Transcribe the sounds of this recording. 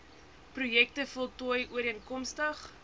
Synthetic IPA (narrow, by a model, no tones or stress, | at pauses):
prujɛk̚təfɔlˠtɔəjuəɾiənkɔmstəχ